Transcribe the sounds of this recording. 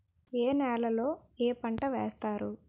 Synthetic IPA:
eːnɛːlɐlo̞ːeːpɐɳʈɐʋeːst̪aːɾu

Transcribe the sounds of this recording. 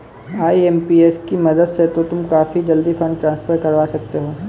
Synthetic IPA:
aːiɛːmpiːeskimɐd̪əd̪set̪ot̪ʊmkaːfid͡ʒɐld̪ifɐ̃ɳɖʈɾãːnspʰəɾkɐɾʋaːsɐk̚t̪eɦoː

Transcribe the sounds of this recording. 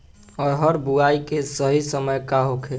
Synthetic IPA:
ɔːɾɦəɾbuaikesəɦisəməjkaɦokʰe

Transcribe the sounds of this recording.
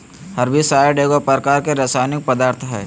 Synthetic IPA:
həɾbʱisaːjeɖeːɡopəɾkaːɾkeɾeːsaːɪnɪk̚pəd̪aːɾt̪ʰɦɛ̰ː

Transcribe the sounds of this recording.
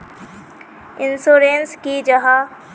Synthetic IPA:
ɪnsoːɾeːnskid͡ʒɐɦa

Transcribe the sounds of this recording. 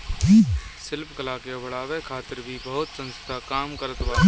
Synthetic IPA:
sɪlpkəlaːkijabɐɽaːʋekʰaːt̪ɪɾbʱibɐɦʊt̪sə̃nst̪ʰakaːmkəɾət̪baː

